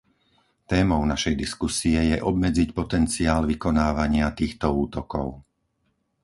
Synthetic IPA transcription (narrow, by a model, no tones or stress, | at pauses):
t̪ɛːmɔʊnaʃɛjd̪iskusiɛjɛʔɔbmɛd͡zicpɔt̪ɛnt͡siaːlʋikɔnaːʋaɲɪat̪iːxt̪ɔuːt̪ɔkɔ̰ʊ